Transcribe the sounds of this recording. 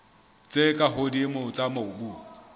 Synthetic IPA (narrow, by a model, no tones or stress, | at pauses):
t͡sʼekʼaɦodimʊt͡sʼamaʊbu